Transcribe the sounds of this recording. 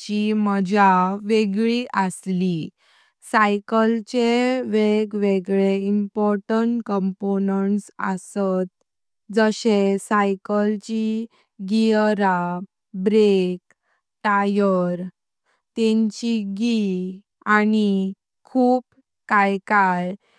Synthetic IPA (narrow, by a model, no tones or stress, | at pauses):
t͡ɕiməd͡ʑaʋeɡɭiʔəsli | sajkəlt͡ɕeʋeɡʋeɡɭeimpɔɾʈəɳʈkəmponəɳʈsə̰sət̪̚ | d͡zəɕesajkəlt͡ɕi | ɡiɾa | bɾek̚ | ʈajəɾ | t̪ẽɲt͡ɕiɡi | ani | kʰuːp | kajkaj